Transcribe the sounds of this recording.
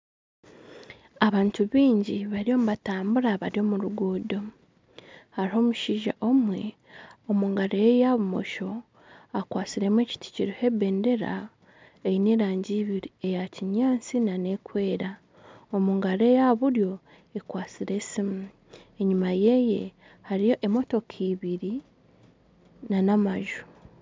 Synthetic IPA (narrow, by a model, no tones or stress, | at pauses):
aβaːntuβiːɲɟiβaɾijo̞ːmuβataːmbuɾaβaɾjo̞ːmuɾuɡuːdo̞ | haɾiho̞ːmuʃiːʒa̰ʔo̞mwe̞ | omuːŋɡaɾejaβumo̞̰ʃo̞ | akwaːt͡siɾe̞mweːci̥ti̥ciɾohe̞be̞ːnde̞ɾa̰ | eineːɾaːɲɟiːβiɾie̞jaciɲaːnt͡sinane̞kwe̞ːɾa | omuːŋɡaɾe̞jaβuɾjo̞ | ekwaːt͡siɾe̞simu | e̞ɲumaje̞je̞̰ | haɾijo̞ʔemo̞to̞kʰiβiɾi | nanamaʒu̥